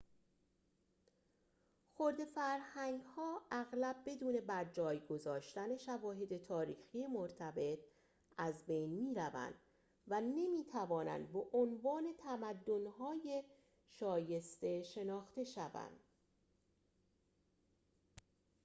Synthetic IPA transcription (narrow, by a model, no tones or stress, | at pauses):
xoɾd̪e̞fæɾhæŋɡhɒːʔæɣlæbːe̞d̪uːne̞bæɾd͡ʒɒːjɡo̞zɒːʃt̪æne̞ʃævɒːɦe̞d̪e̞t̪ʰɒːɾiːxije̞moɾt̪ʰæbe̞t̪ʰ | ʔæzbe̞jnmiːɾævæ̰nd̪̥ | væne̞miːt̪ʰævɒːnæ̰nd̪beʔonvɒːne̞t̪ʰæmæd̪ːo̞nhɒːje̞ | ʃɒːje̞st̪e̞ʃe̞nɒːxt̪e̞ʃævæ̰nd̪̥